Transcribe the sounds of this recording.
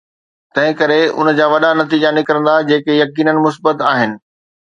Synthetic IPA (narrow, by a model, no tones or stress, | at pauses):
t̪ɐ̃ɦɪ̃kɐɾeʊ̰nəd͡ʑaːʋɐɗanɐt̪iːd͡ʑanɪkɾə̃nd̪ad͡ʑeːkejɐkiːnənɪ̆mʊs̬bət̪aːɦɪnɪ̆